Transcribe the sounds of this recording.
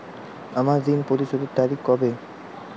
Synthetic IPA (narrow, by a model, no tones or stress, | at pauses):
amaɾd̪inpoɾiʃod̪eɾt̪aɾikkɔbe